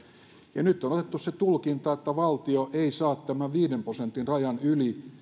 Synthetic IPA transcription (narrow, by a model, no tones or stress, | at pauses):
jɑnyt̪ːˑonot̪et̪ːusset̪ulkint̪ɑet̪ːæʋɑlt̪ioʔeisɑːt̪t̪æmæʋiːdemprosent̪inrɑjɑnyli